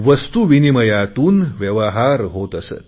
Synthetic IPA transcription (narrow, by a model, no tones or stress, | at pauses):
ʋəst̪uʋiniməjat̪uːnʋjəʋaɦaɾɦot̪əsḛt̪